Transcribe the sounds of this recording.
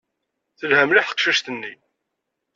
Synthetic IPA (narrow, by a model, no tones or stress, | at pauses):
θəlhæmliħə̥qʃəʃt̪ənːi